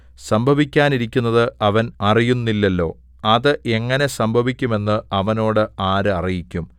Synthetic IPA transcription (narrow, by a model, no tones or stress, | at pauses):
sɐmbʱɐʋikʲːaːniɾikʲːunːɐðɨɐʋɐnɐrijunːilːɐlːo̞ː | ɐðɨʔe̞ŋːɐne̞sɐmbʱɐʋikʲːume̞nːɨɐʋɐno̞ːɽɨaːɾɨɐrijikʲːum